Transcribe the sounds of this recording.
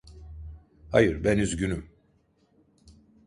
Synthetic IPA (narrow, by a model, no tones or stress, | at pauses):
hajɯɾbɛnyzɟynym